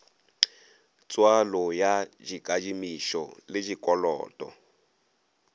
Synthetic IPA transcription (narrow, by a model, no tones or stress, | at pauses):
t͡swalɔjad͡ʒiɡad͡ʒimiʃɔ̰led͡ʒikʼɔlɔ̰ːtʼɔ̰